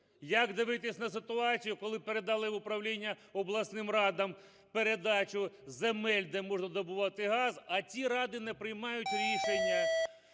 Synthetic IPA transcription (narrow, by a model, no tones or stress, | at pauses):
jɐɡd̪ɪʋɪt̪ɪsʲnɐsɪt̪ʊɑt͡sʲijʊkɔlˠɪpeɾed̪ɑlˠɪʊpɾɐwlʲinʲːɐ | ɔblˠɐsnɪmrɑd̪ɐm | peɾed̪ɑt͡ʃʊzemɛlʲd̪ɛmɔʒnɐd̪ɔbʊʋɑt̪ɪɦɑzɐt͡sʲiɾɑd̪ɪnɛpɾɪjmɑjʊtʲɾʲiʃenʲːɐ